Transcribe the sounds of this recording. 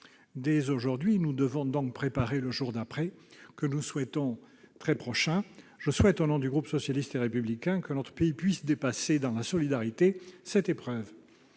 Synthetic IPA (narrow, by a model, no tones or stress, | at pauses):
d̪ezoʒuʁd̪ɥinud̪əvɔ̃d̪ɔ̃k̚pχepaʁeləʒuʁd̪apχɛkənuswɛt̪ɔ̃ | t̪χɛpχɔʃɛ̃ʒ̥əswɛt̪onɔ̃d̪yɡʁupsɔsjalist̪eʁepyblikʲɛ̃kənɔt̪χə̥peipɥisd̪epased̪ɑ̃lasɔlid̪aʁit̪esɛt̪epχœv